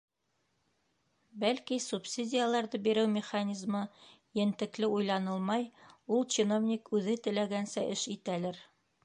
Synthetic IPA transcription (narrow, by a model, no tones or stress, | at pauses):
bælkisupsʲidʲɪjalˠɑɾðɤbiɾɘwmʲɪχanʲizmɤ | jɘ̆nt̪ɘ̆klɘujlˠɑnɤlˠmɑjulˠt͡ɕɪnovnʲikʉðɘt̪ɘ̆læɡænsæʔɘʃit̪ælɘɾ